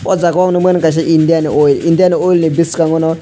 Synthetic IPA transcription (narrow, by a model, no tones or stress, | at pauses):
ɔd͡zakwaŋnɔmenkaʃ̬iʔindianioilindianiojilnibiskaŋɔnɔ